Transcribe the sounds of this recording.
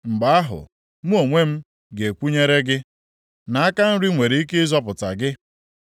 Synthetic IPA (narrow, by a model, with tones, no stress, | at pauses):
ŋ͡m̩˨ɡ͡ba˨˦a˦ɦʊ̰˨ | mu˦o˨ŋʷe˦m̩˦ | ɡe˨kʷu˦ɲe˦ɾe˦ɡɪ˦ | na˨˦a˦ka˦n̩˦ɾi˦ŋʷe˨ɾe˨i˦ke˦zɔ˦p̬ʊ˨ta̰˨ɡɪ˦